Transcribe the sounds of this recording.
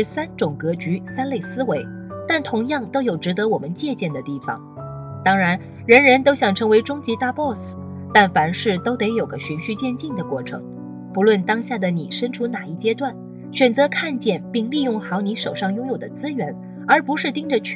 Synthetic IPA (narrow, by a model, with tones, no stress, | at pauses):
sa˥nʈ͡ʂʊ˨˩ŋkɤ˧˥t͡ɕy˧˥sa˥nle˥˩ɪsɹ̩˥we˧˥ɪ | t̪a˥˩nt̪ʰʊ˧˥ŋjɑ˥˩ŋt̪o˥ʊjo˨˩ʊʈ͡ʂɻ̩˧˥t̪ɤ˧˥wɔ˨˩mə˦nt͡ɕjɛ˥˧t͡ɕjɛ˥˩nd̪ə˩t̪i˥˩fɑ̰˨˩˦ŋ | t̪ɑ˥ŋɻa˧˥n | ɻə˧˥nɻə˧˥nt̪o˥ɕjɑ˨˩ŋʈ͡ʂʰɤ˧˥ŋwe˧˥ɪʈ͡ʂʊ˥ŋt͡ɕi˧˥t̪a˥˧pwɔ˥˩sɹ̩˨˩t̪a˥˩nfa˧˥nʂɻ̩˥˩t̪o˥ʊt̪e˧˥ɪjo˨˩ʊɡə˦ɕy˧˥nɕy˥˧t͡ɕjɛ˥˧nt͡ɕi˥˩nd̪ə˩kwɔ˥˩ʈ͡ʂʰɤ̰˧˥ŋ | pu˧˥lwə˥˩nt̪ɑ˥ŋɕja˥˩d̪ə˩ni˨˩ʂə˥nʈ͡ʂʰu˧˥na˨˩i˥˩t͡ɕjɛ˥t̪wa˥˩n | ɕɥɛ˨˩nt͡sɤ˧˥kʰa˥˧nt͡ɕjɛ˥˩npi˥˧ŋli˥˧jʊ˥˩ŋxɑ˧˥ʊni˧˥ʂo˨˩ʊʂɑ˥˩ŋjʊ˥ŋjo˨˩ʊd̪ə˦t͡sɹ̩˥ɥɛ˧˥n | ə˞˧˥pu˧˥ʂɻ̩˥˧t̪i˥ŋʈ͡ʂə˨t͡ɕʰ